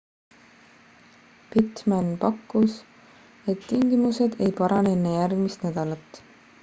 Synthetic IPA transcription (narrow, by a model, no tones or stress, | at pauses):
pit̪mænpɑkːˑus | e̞t̪ːiŋɡ̥imuse̞d̪̥e̞jpɑɾɑneenːe̞jærɡ̥mist̪næd̪̥ɑlɑt̪ːˑ